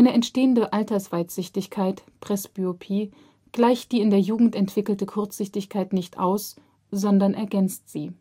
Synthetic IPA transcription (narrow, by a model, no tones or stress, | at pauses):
ʔaɪnəɛntʃteːəndəʔaltɐsv̥aɪtz̥ʏçtɪçkʰaɪtpʁ̥ɛsb̥yopʰiː | ɡ̥laɪçt̚d̥iːɪndeːɐjuːɡŋ̩tɛntv̥ɪkl̩təkʰʊɐt͡sz̥ʏçtɪçkʰaɪtnɪçtʔa̰ʊs | z̥ɔndɐnʔɛɐɡɛnt͡stz̥iː